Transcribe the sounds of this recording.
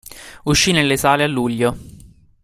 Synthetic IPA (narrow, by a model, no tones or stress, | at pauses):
uʃːinelːesaːlealːuʎːo